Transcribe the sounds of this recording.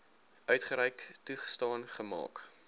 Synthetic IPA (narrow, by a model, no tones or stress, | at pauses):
ʔœɥtχəɾɛjktuχə̥stɑːnχəmɑ̰ːk